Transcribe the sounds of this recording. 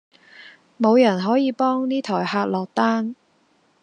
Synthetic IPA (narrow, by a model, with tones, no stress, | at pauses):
mo˨˧wjɐ˨˩nɦɔː˨˥jiː˨˧pɔː˥ŋniː˥t̪ʰɔː˨˩jhaː˧t̚lɔː˨k̚t̪aː˥n